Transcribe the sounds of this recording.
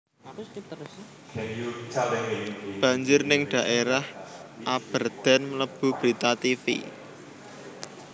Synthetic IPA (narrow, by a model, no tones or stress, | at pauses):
b̥ä̤ɲd͡ʒʊrnɪŋɖ̥a̤ʔeɾahʔab̥ərd̪̥a̤nmələb̥ṳb̥ɾit̪at̪ifḭ